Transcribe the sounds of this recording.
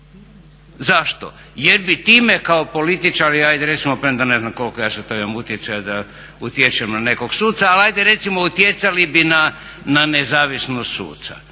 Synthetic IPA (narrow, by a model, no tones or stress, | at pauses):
zaʃt̪o̰ | jeɾbit̪iːmekaopo̞lit̪it͡ʃaɾiajd̪eɾe̞t̪simopɾed̪ane̞znamko̞lkojaːset̪ojamut̪jet̪sajod̪a | ut̪jet͡ʃemnane̞koɡsuːt̪saːlajd̪eɾe̞t̪simout̪jet̪salibina | nanezaːʋisnost̪sṵːt̪sa̰